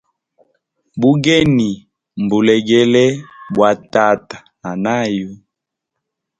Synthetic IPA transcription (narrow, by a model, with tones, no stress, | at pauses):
bu˦ɡɛ˦ni˨ | m˨bu˨lɛ˨ɡɛ˦lɛ˦bwa˨ta˦˨tḁ˨ | a˨na˦ju˦